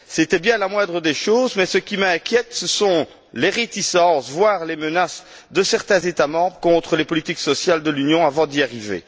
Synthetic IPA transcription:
set̪ɛbjɛ̃lamwɛ̃d̪ʁəd̪eʃoːzmɛsəkʲimɛ̃kʲjɛt̪səsɔ̃ | leʁet̪isɑ̃svwaːʁlemənas | d̪əsɛʁt̪ɛ̃zet̪amɑ̃bʁəkɔ̃t̪χəlepɔlit̪iksɔsjald̪əlynjɔ̃avɑ̃d̪iaʁivḛ

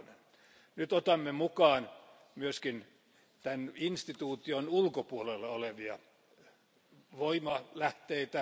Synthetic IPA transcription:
nen | nyt̪ot̪ɑmːemukɑːn | myøskin | t̪æninst̪it̪uːt̪ionulkopuolelːɑoleʋiɑ | ʋoimɑlæht̪eit̪æ

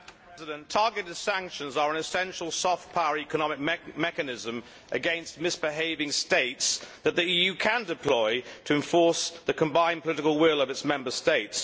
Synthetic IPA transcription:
zɪɾə̃ntʰɑɹɡɨɾɪd̥sæ̃ŋkʃə̃nzə˞ə̃nɨsɛ̃nʃəl̩ˠsɔf̚pʰaʊəɹikənɑmɪk̚mɛkɨnɪzə̃m | ʔɨɡɛ̃nst̚mɪsb̥ɪɦeɪvɪ̃ŋsteɪtsðət̪̚ðiiːjʉkʰə̃ndɪpʰl̥ɔɪtʰəɨ̃ɱfɔɹsðəkʰə̃mbãɪ̃npʰəlɪɾɪkəlˠwɪlˠʌvɨtsmɛ̃mbəsteɪts

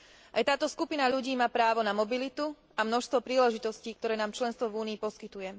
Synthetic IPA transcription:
ʔa̰jt̪aːt̪ɔskupinaʎuɟiːmaːpɾaːʋɔnamɔbilit̪u | amnɔʃst̪ʋɔpɾiːlɛʒit̪ɔsciːk̚t̪ɔɾɛːnaːmt͡ʃlɛnst̪ʋɔvuːniːpɔskit̪ujɛ

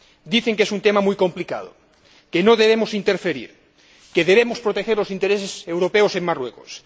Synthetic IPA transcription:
d̪iθeŋkesunt̪emamujko̞mplika̰ð̞o̰ | kenoð̞eβ̞emosint̪e̞ɾfeɾḭɾ | keð̞eβ̞emospɾot̪exeɾlo̞sint̪eɾesesewɾopeosemmarwekos

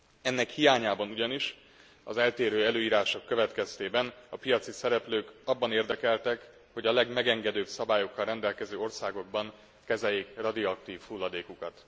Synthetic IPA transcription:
ɛnːɛkhijaːɲaːbɒnuɟɒniʃ | ɒzɛlt̪eːɾøːɛløːiːɾaːʃo̞kːø̞vɛt̪kɛst̪eːbɛnɒpijɒt̪sisɛɾɛpløːkɒbːɒneːrd̪ɛkɛlt̪ɛk | ho̞ɟɒlɛɡmɛɡɛŋɡɛd̪øːbsɒbaːjo̞kːɒlrɛnd̪ɛlkɛzøːo̞rsaːɡo̞ɡ̚bɒŋ | kɛzɛjːeːkrɒd̪ioɒkt̪iːfhulːɒd̪eːkukɒt̪

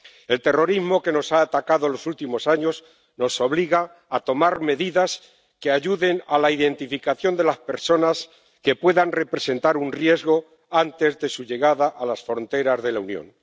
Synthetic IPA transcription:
e̞lt̪e̞ro̞ɾizmo̞ke̞no̞saːt̪akaðo̞lo̞sult̪imo̞saɲo̞z | no̞so̞βliɣaː | t̪o̞maɾme̞ðiðas | ke̞aʝuðe̞nalaiðe̞nt̪ifikaθjo̞nd̪e̞laspe̞ɾso̞nas | ke̞pwe̞ðanre̞pɾe̞se̞nt̪aɾunrje̞zɣo̞ | ant̪e̞zðe̞suʝe̞ɣaðaʔalasfɾo̞nt̪e̞ɾazðe̞launjo̰ŋn

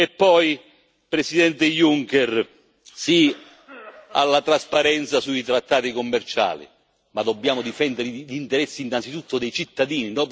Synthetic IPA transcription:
ɛpːɔj | pɾesid̪ɛnt̪ɪjuŋkɛr | si | a̰lːat̪ɾaspaɾɛnt̪sasuit̪ɾat̪ːaːt̪ikomːɛrt͡ʃa̰ːlḭ | mad̪ɔbːjaːmʊd̪ifɛnd̪ɪɾiʎint̪ɛɾɛsːiːnːant̪sit̪ut̪ːʊd̪ɛjt͡ʃit̪ːad̪iːninɔ

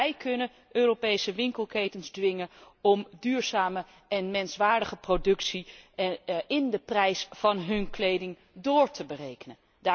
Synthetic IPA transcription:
ɛjkɵnən | øːrowpejsəʋɪŋkəlˠkejtənzdʋɪŋənɔmdyːɹz̥aːmə | ɛnmɛnsʋaːɹdəχəprodɵksi | ɪndəprɛjsfɑnɦɵnklejdɪŋ | dʊːɹtʰəbərejkənən | da

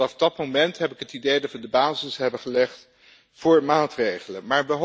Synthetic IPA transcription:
ɑfdɑtmomɛntɦɛpɪkɦətidejdɑtʋədəbaːzɪsɦɛbəχəlɛχt | fʊːɹmaːtrejχələmaːɹʋəɦ

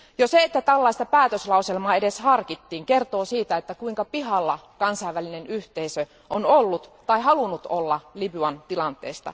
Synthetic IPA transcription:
joseet̪ːæt̪ælːɑist̪ɑpæːt̪øslɑuselmɑːedeshɑrkit̪ːiːŋkert̪oːsiːt̪æet̪ːækuiŋkɑpiɦɑlːɑkɑnsɑiʋælinenyht̪eisø | ʔonolːut̪t̪ɑiɦɑlunut̪o̰lːɑlibyɑnt̪ilɑnt̪ḛːst̪ɑ̰

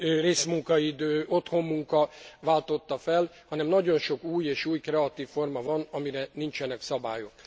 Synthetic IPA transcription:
reːsmuŋkɒid̪øːo̞t̪ho̞mːuŋkɒvaːlt̪o̞t̪ːɒfɛl | hɒnɛmnɒɟo̞nʃo̞kuːjeːʃuːjkrɛɒt̪iːfːo̞rmɒvɒnɒmiɾɛnint͡ʃɛnɛksɒba̰ːjo̞k

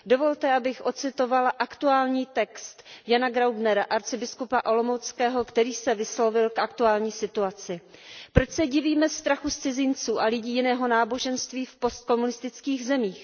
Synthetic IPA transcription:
do̞vo̞lt̪ɛʔabɪxʔo̞t͡sɪt̪o̞valaʔakt̪uaːlɲiːt̪ɛkst̪janaɡɾawbnɛɾaʔaɾt͡sɪbɪskupaʔolomowt͡skɛːɦo̞kt̪ɛɾiːsɛvɪslo̞vɪlkʔakt̪uaːlɲiːsɪt̪uat͡sɪpɾo̞t͡ʃsɛɟɪviːmɛst̪ɾaxust͡sɪzɪnt͡suːʔalɪɟiːjɪnɛːɦo̞naːbo̞ʒɛnst̪viːfpo̞st̪̚ko̞munɪst̪ɪt͡skiːɣzɛmiːx

